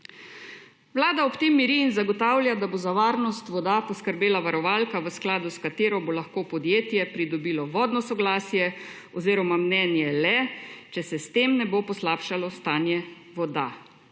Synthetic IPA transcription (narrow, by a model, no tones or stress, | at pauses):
ʋlaːd̪aɔpt̪emːiɾiːnzaɡɔt̪aːwljad̪abozaʋaːɾnɔst̪ʋɔd̪apɔskəɾbeːlaʋaɾɔʋaːlkaʋəsklaːd̪uskat̪eːɾɔbolaxkoːpɔd̪jeːt̪jɛpɾid̪ɔbilɔʋɔːd̪nɔsɔɡlaːsjɛ | ɔziːɾɔmamnɛːnjɛlɛt͡ʃɛsɛst̪emnɛbopɔslaːpʃalɔst̪aːnjɛ | ʋɔd̪a